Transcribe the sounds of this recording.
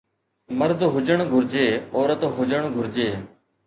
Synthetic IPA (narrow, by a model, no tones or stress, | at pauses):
məɾd̪ʱɦʊd͡ʒəɳ̃ɡʱʊɾd͡ʒeːoːɾət̪ɦʊd͡ʒəɳɡʱʊɾd͡ʒeː